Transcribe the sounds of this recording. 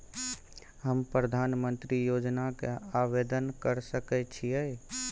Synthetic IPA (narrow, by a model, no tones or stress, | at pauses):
ɦəmpɾəd̪ʱaːnmə̃nt̪ɾijoːd͡ʒnakeaʋed̪ənkəɾsəkɛt͡ʃʰijɛ